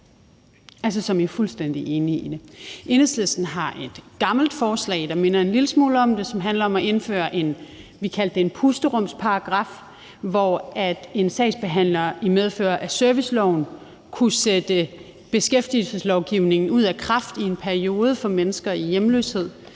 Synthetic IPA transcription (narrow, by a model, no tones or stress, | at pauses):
ælsəsɒ̽mjiæɐfulsd̥en̰d̥iʔe̝ːniid̥e̝ʔe̝neslesd̥n̩ɦɑ̈ʔe̝d̥ɡ̥ɑ̈ml̩d̥fɒːslɛ̰ɪd̥ɑ̈me̝nɐe̝nliləsmoːləɒ̽md̥e̝sɒ̽mɦænlɐɒ̽mɒʔe̝nfø̰ːɐʔe̝n | ʋikʰæl̰d̥eenpʰusd̥əʁɔm̰spʰɑ̈ɑɡ̥ʁɑ̈f | ʋɒæd̥e̝nsɛ̰ɪsb̥e̝ɦæn̰lɐimeð̞ˠfø̰ːɐʔæsøɐʋislɒʊn̩ | kʰused̥ə | b̥e̝sɡ̥efd̥ilsəslɒʊɡ̥iʊ̰ne̝ŋn̩uð̞̰ˠækʰʁɑ̈fd̥ie̝npʰæɐio̝ːð̞ˠəfɒ̽menəsɡ̥ɐijemlø̰ːshe̝ð̞̰ˠ